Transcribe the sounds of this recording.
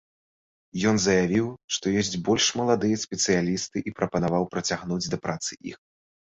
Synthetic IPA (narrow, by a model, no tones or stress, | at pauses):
jɔnzɐjavʲiwʂt̪ɔjɔsʲt͡sʲbɔlʲʂmɐlˠad̪ɨjɐsʲpʲɛt̪sɨjalʲist̪ɨʔipɾɐpɐnavawpɾɐt͡sʲaɣnud͡zʲd̪ɐpɾat̪sɨʔḭx